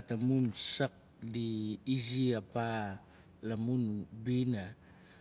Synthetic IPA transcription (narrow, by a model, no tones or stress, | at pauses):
atamunsak̚ | diːziapa | lamunbina